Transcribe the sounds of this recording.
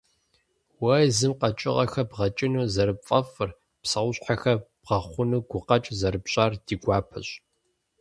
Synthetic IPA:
wɐjzɨmqɐt͡ʃʼɪʁɐxɐbʁɐt͡ʃʼɪnuːzɐɾɨpfʼɐfɨr | psɐʁʷʊɕħaxɐb̥ʁ̥ɐχʷʊnuːɡʷʊqɐt͡ʃʼzɐɾɨpɕʼaːrd̥iːɡʷɑːpʰɐ̰ɕʼ

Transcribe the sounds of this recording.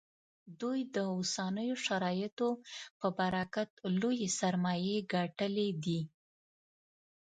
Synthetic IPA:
d̪ujd̪əosanəjoʃaɾɑjət̪opəbaɾakat̪lojesaɾmɑjeɡaʈəled̪i

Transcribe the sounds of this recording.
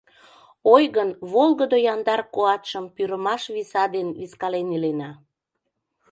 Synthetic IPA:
ojɣənβolɣəd̪ojɑnd̪ɑrkoɑt̪ʃəmpyɾəmɑʃβisɑd̪enβiskɑlenilenɑ

